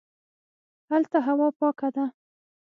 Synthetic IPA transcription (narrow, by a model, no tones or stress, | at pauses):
halt̪aɦawɑpɑkad̪a